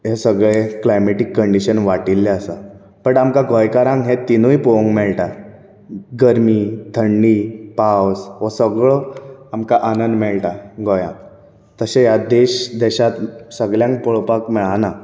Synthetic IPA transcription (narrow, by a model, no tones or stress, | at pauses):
ɦesəɡɭeklajmeʈikːəɳɖiɕənʋaʈilːeəsa | pəɳamkaɡʱɔjkaɾãŋɡɦẽt̪inujpoŋɡmɛɭʈa | ɡəɾmiːt̪ʰəɳɖiːpawsʋɔsəɡɭəamkaʔanənd̪mɛɭʈaɡʱɔjã̰ | t̪əsejad̪eɕd̪ɛɕat̪səɡɭjãŋk̚pɔɭpakmɛɭana